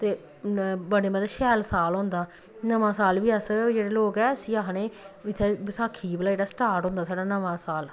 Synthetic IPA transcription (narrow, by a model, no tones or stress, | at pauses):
t̪eː | bəɽeːmət̪ːʃɛːlsaːlɦʊ̃nd̪aː | nəʋãːsaːlʋiːəsd͡ʒeːɽeːloːkɛːsiːaɦneːɪt̪ʰːeːsaːkʰiːblaːeɖaːsʈaːɾʈɦʊ̃ːnd̪aːsaːɽaːnəʋãːsaːl